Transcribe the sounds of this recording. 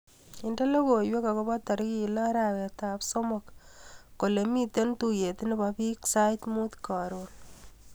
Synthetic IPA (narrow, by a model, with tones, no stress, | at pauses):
ɪ˨nde˦le˦ko˨jwe˦ka˨ko˦ba˦tɔ˨ɾki˦˨la˦ɾa˨ke˨ta˨pso˦mɔ˨kː | o˨le˨mi˦te˦ntu˦je˨ti˦ne˦bapi˦ksa˦jtmu˦t̪ka˨ɾon